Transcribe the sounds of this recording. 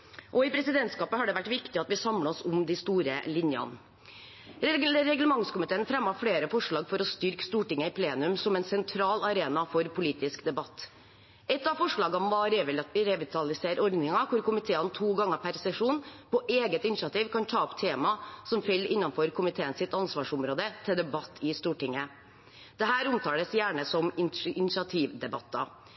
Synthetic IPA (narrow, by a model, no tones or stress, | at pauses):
ʔɔɪpʰɾɛsɪd̪ɛnt̪skɑːpəhɑɖɛʋæʈːʋɪkt̪ɪɑt̪ʋɪsɑmlɑɔsʊmd̪ɪst̪uːɾəlɪnjɑ̰n | ɾɛɡləmɑŋskʊmɪt̪eːənfɾɛmːɑfɽeːɾəfɔʂɭɑːɡfɔɾɔst̪ʏɾkst̪uːʈɪŋːəɪpʰleːnʉmsɔmɛnsɛnt̪ʰɾɑːlɑɾeːnɑfɔɾpʰʊliːt̪ɪskd̪ɛbɑt̪ː | ɛt̪ːɑʋfɔʂɭɑːɡɑnʋɑɾɾɛʋɪt̪ʰɑlɪseːɾɔɾd̪nɪŋɑkʰʊɾkʊmɪt̪ʰeːənt̪ʰuːɡɑŋːəpʰæɾsɛʂuːnpɔʔeːɡət̪ɪnʂɑt̪iːʋkʰɑnt̪ʰɑːɔpt̪ʰeːmɑsɔmfɛlːɪnːɑnfɔɾkʰʊmɪt̪ʰeːənsɪt̪ɑnsʋɑːʂʊmɾoːd̪ət̪ʰɪld̪ɛbɑt̪ʰːɪst̪uːʈɪŋːə | d̪̥ɛɦæːɾʊmt̪ʰɑːləsjæːɳəsɔmɪɪnɪsɑt̪ʰiːʋd̪ɛbɑt̪ːɑ̰